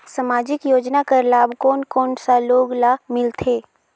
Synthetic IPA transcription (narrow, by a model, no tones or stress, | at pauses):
səmaːd͡ʒɪkjoːd͡ʒnakəɾlaːbʱkoːnkɔːnsaloːɡlamɪlt̪ʰeː